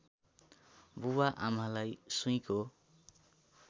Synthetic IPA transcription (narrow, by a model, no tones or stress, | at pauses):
buwaʔamalajsuj̃ko